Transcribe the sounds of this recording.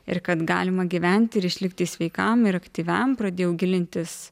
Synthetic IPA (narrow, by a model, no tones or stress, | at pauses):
ɪ̰ɾkɐt̪ɡɑ̰ːlʲɪmɐɡʲiːʋʲænʲt̪ʲɪɪɾɪʃʲlʲɪkt̪ʲiːsʲʋʲɛɪkɐmɪɾɐkt̪ʲiːʋʲɛmpɾɐd̪ʲeːjɛʊɡʲɪlʲɪnʲt̪ʲɪs